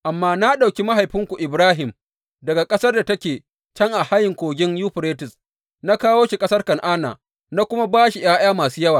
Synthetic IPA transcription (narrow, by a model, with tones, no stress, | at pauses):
ʔa˨mːaː˦na˦ɗa˨wkʲi˦ma˦ɦa˨jɸɪ˦ŋkʷu˨ʔɪ˨bɾaː˦ɦɪ˨m | dɐ˨ɡa˨kʼɐ˦sɐ˦rda˨tɐ˦kʲeː˨ | t͡ʃɐ˦ŋʔa˨ha˦jɪ˨ŋkʷoː˨ɡʲɪ˦ŋjuː˦ɸɾeː˦tɪ˨s | na˦kaː˦woː˦ʃi˨kʼɐ˦sɐ˦rkɐ˨ŋʔaː˦na̰˨ | na˦kʷʊ˦ma˦baː˦ʃi˨j̰aː˦j̰aː˦maː˨suː˦jɐ˦waː˨